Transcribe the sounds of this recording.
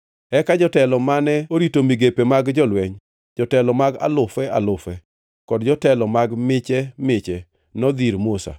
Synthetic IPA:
ɛkad͡ʒɔtɛlɔmanɛoɾitomiɡepemaɡd͡ʒɔlwɛɲ | d͡ʒɔtɛlɔmaɡa̰lʊfɛa̰lʊfɛ | kɔdd͡ʒɔtɛlɔmaɡmɪt͡ʃɛmɪt͡ʃɛ | nɔd̪iɾmosa̰

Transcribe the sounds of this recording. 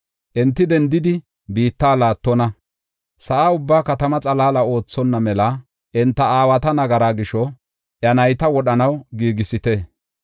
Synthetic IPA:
ʔɛnt̪ːɪd̪ɛnd̪ɪd̪ɪ | biːt̪ːaːlaːt̪ːɔnɐ | sɐʔaːʊbːaːkɐt̪ɐmɐt͡sʼɐlaːlɐo̞ːt͡sːɔnːɐmɛlɐ | ʔɛnt̪ːɐaːwɐt̪ɐnɐɡɐɾaːɡɪʃɔ | ʔjɐnɐjt̪ɐwɔɗɐnɐwɡiːɡɪsɪt̪e

